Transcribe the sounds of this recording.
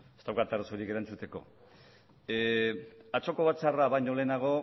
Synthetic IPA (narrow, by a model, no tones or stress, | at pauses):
e̞st̪awkat̪arasoɾike̞ɾant͡sut̪e̞ko̞̰ | at͡so̞ko̞βat͡saraβajɲo̞le̞ːnaɣ̞o̞